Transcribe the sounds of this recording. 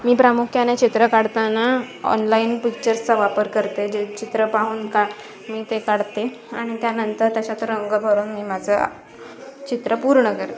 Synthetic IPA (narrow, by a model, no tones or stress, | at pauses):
miːpɾamukʰjanet͡ɕit̪ɾəkaɽt̪anaɔ̰nlainpik̚t͡ɕəɾst͡səʋapəɾkəɾt̪ed͡ʑet͡ɕit̪ɾəpaɦuːnka | miːt̪ekaɽt̪e | aɽ̃it̪janənt̪əɾt̪jat͡ɕat̪əɾəŋɡəbʱəɾuːnmiːmad͡zʱə | t͡ɕit̪ɾəpuɾɳəkəɾt̪